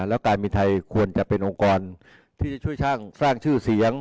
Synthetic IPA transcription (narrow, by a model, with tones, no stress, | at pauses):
lɛː˦˥wkaː˧nmiː˧t̪ʰa˧jkʰu˧ənt͡ɕa˨˩ʔpe˧nʔo˧ŋkɔː˧n | t̪ʰiː˥˩t͡ɕa˨˩t͡ɕʰu˥˩əjsaː˥˩ŋsaː˥˩ŋt͡ɕʰɯː˥˩si˩˦əŋ